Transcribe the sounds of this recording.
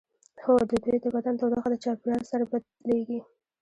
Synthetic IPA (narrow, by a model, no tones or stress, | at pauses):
hod̪əd̪wujd̪əbad̪ant̪owd̪axad̪ət͡ʃɑplɑɾsaɾabad̪leɡi